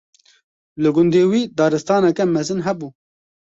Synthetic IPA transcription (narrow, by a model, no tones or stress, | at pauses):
lɨɡʊnd̪eːwiːd̪ɑːɾɨst̪ɑːnɛkɛmɛzɨnɦɛbuː